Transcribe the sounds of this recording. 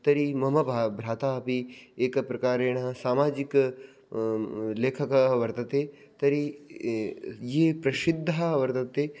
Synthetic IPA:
t̪ɐɾimɐmɐbʱabʱɾaːt̪aːpieːkpɾɐkaːɾeːɽ̃asaːmaːd͡ʒɪk | leːkʰɐkʋɐɾt̪ɐt̪e | t̪ɐɾi | jeːpɾɐʃɪd̪ʱːaʋɐɾt̪ɐt̪eː

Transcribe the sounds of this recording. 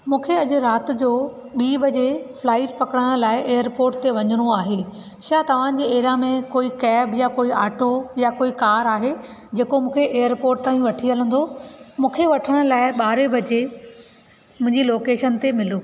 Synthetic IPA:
mũːkʰeɐʄʊɾaːt̪̆d͡ʑoː | ɓiːbʱɐd͡ʑeflaːɪʈpɐkəɽəɽ̃laːɪʔeːjəɾpoːɾʈ̚t̪eʋɐɲəɽ̃oaːɦe | ʃaːt̪ɐʋ̤ãd͡ʑeːeːɾamẽkoːikɛːbjakoːiaːʈojakoːikaːɾaːɦe | d͡ʑeːkomũːkʰeʔeːəɾpoːɾʈ̚t̪aːĩʋɐʈʰiələ̃nd̪omũːkʰeʋɐʈʰəɽ̃ʊ̆laːɪɓaːɾebʱɐd͡ʑe | mʊ̃ɦɪ̃ɲd͡ʑiloːkeːʃənt̪emɪloː

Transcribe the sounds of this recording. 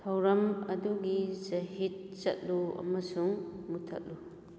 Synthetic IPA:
tʰɐwɾɐmɐduɡizɐhit̚t͡ʃɐ̰t̚luɐ̰mɐsuŋmutʰɐ̰t̚lu

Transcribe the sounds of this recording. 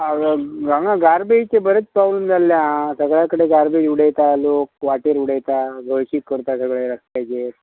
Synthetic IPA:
ɡaŋɡaɡaɾbet͡ɕebəɾət͡spɾabləmd͡zalːjãsəɡɭjakəɽeɡaɾbed͡ʒuɽejt̪aloːk̚ʋaʈeɾuɽajt̪aɡʱəjɕikːəɾut̪asəɡɭeɾəst̪ajd͡ʒe

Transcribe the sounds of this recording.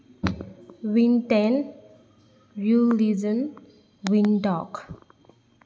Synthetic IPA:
ʋĩnʈen | ɾulid͡ʒən | ʋinɖɔk

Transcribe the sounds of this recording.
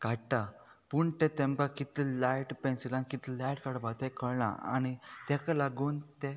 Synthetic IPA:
kaʈʈa | puɳt̪ɛ̃t̪ɛ̃mkakit̪ilajʈpɛ̃nsilanikit̪lajʈkaɽbat̪ɛkʰəɭɳa̰a̰ñit̪ɛkalaɡuːnt̪ɛ

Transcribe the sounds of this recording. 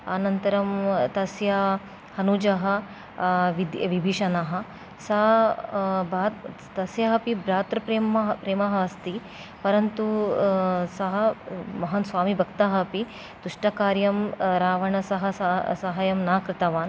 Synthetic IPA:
aːnɐnt̪ɐɾɐmt̪ɐsjɐ | hɐnud͡ʒɐɦɐ̆ | ʋid̪ʋibʱiʃɐnɐɦɐ̆ | sɐɦ | baːt̪ | t̪ɐsjɐɦɐpibɾaːt̪ɾɐpɾeːmɐɦpɾeːmɐɦɐɐst̪i | pɐɾɐnt̪u | sɐɦɐmɐɦɐnsʋaːmibʱɐkt̪ɐɦɐpi | d̪̥uʂʈɐkaːɾjɐmɾaːʋɐɳɐsɐɦɐssɐɦɐjɐmnaːkɾɪt̪ɐʋaːn

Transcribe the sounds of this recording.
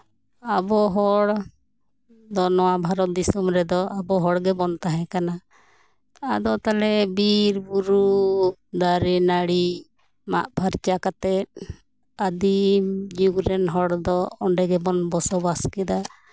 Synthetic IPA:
abɔɦɔɽ | d̪ɔnɔwabʱaɾɔt̪̚d̪isumɾɛd̪ɔabɔɦɔɽɡɛbɔnt̪aɦɛ̃kana | ad̪ɔt̪alɛbiɾbuɾud̪aɾɛnaɽi | ma̰ʔbʱaɾt͡ʃakat̪ɛt̪̚ | ad̪imd͡ʒuɡɾɛnɦɔɽd̪ɔɔɳɖɛɡɛbɔnbɔsɔbaskɛd̪a

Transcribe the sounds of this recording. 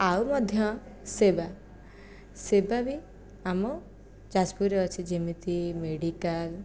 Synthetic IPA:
awmɔd̪ʱjɔ̃ | seba | sebabi | amɔ | d͡ʒaspuɾeɔt͡ʃʰid͡ʒimit̪imeɖikal

